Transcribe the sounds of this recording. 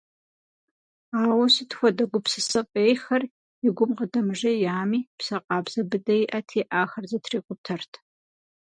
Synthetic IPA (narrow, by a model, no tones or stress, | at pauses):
aːwɐsitxʷɔdɐɡʷʊpsɨsɨpʼeːjxɐr | ɪɡʷʊmqədɐmɨʒɐjaːmiːpsɐqʼɑːbz̥ɐbɨdɐjʔɐtʰeːʔaːxɐrzɐtʰriːqʷʼʊp̚tʰɐrtʰ